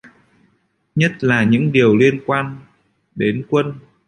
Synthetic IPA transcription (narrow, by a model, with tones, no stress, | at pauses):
ɲə˦˥t̚laː˨˩ɲɨ̰˧˥ŋɗi˨˩əwli˧ənkwaː˧n | ɗe˨˦nkwə˧n